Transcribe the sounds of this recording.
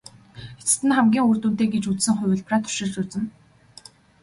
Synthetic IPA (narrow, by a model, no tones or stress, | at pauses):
et͡sɘ̥̆t̪ɘ̆nχæmɡʲiːŋuːr̥t̪uːnt̪eːɡet͡ɕut͡ssɘ̆ŋχʊ̟wʲɘ̆ɮpraːt̪ʰɵ̥ʃɪ̆ɮt͡ɕuːt͡sɘ̆n